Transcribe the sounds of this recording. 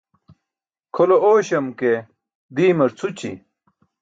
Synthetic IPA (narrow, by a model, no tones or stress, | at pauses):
kʰolooːɕɐmke | d̪iːmɐɾt͡sʰut͡ɕʰḭ